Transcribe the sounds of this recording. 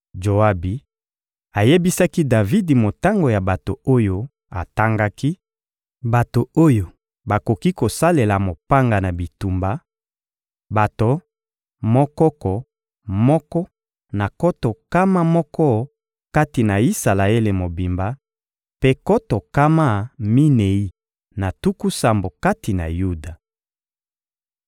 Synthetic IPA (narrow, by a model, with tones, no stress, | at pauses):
d͡ʒo˨a˦bi˨ | a˨je˦bi˦sa˦ki˦da˨vi˦di˨mo˨ta˦ŋɡo˨ja˨ba˨to˨o˦jo˦ | a̰˨ta˦ŋɡa˦ki˦ | ba˨to˨o˦jo˨ | ba˨ko˨ki˦ko˨sa˦le˨la˨mo˨pa˦ŋɡa˨na˨bi˨tu˨mba˦ | ba˨to˨ | mɔ˦kɔ˦kɔ˨ | mɔ˦kɔ˦ | na˨kɔ˦tɔ˨ka˦ma˦mɔ˦kɔ˦ | ka˦ti˨na˨i˦sa˨la˨e˦le˨mo˨bi˨mba˦ | pe˦kɔ˦tɔ˨ka˦ma˦mi˦ne˨i˦ | na˨tu˦ku˦sa˨mbo˨ka˦ti˨na̰˨ju˦da˨